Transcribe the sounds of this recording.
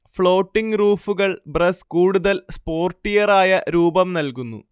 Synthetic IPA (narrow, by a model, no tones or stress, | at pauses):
fɭo̞ːʈːiŋɡruːfuɣɐɭbrɐskuːɽuðɐlspo̞ːrʈːijɐraːjɐɾuːbɐmnɐlkunːṵ